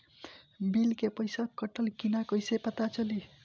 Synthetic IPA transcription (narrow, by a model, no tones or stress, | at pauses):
bilkepʌjsakːʌʈʌlkinakʌjsepʌt̪at͡ʃʌli